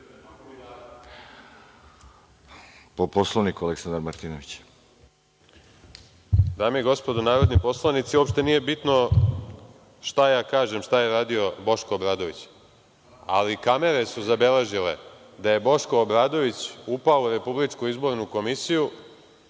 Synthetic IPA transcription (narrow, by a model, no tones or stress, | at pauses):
poposlˠoʋnikualˠeksand̪aɾmaɾt̪inoʋit͡ɕ | d̪aːmieɡo̞spo̞d̪onaːɾod̪nipo̞slˠanit̪siuopʃt̪e̞nije̞bit̪no̞ | ʃt̪ajaːkaːʒe̞mʃt̪aje̞ɾaːd̪io̞bo̞ʃkoːbɾaːd̪o̞ʋit͡ɕ | a̰likame̞ɾe̞suzabe̞le̞ʒile̞̰ | d̪aje̞bo̞ʃkoːbɾaːd̪o̞ʋit͡ɕupaouɾe̞publit͡ʂkuizbo̞ɾnuko̞misiju